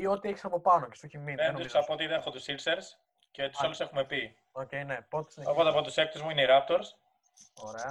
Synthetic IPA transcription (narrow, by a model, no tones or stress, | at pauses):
io̞t̪ieçi̥sɐpo̞pɐnocest̪oçiminend̪usɐpot̪iðenexot̪usilseɾs | cet̪u̥saluse̞xume̞pi | oce̞ine̞pot̪i̥sineopɐt̪ɐpot̪usek̚t̪uzmuineiɾɐp̚t̪o̞ɾs | oɾeɐ